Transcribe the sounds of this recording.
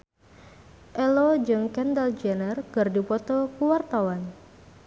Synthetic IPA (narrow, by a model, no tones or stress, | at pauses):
ʔɛlod͡ʒɨŋkɛndald͡ʒɛnərɡərdipɔt̪ɔkuwart̪awan